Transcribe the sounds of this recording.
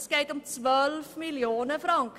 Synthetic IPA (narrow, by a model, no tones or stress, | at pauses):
skɛjtɔmtwœlfmiliɔːnəfrɑŋk